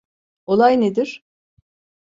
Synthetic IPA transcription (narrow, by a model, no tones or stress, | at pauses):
o̞lˠajned̪iɾ̥